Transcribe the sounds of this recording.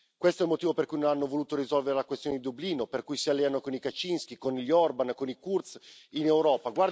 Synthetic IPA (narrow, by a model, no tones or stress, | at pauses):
kwest̪oɛlmot̪iːvoperkujnonanːovoluːt̪oɾizɔlveɾelakwest̪joned̪id̪ubliːnoperkujsialːeanokonikat͡ʃinsk̟ikoniʎːɔrbankonikurt̪sinewɾɔːpaɡward̪